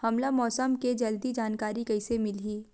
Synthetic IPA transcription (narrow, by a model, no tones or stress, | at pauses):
hɐmlamɔːsəmked͡ʒɐld̪id͡ʒaːnkaːɾikɐɪsemɪlɦiː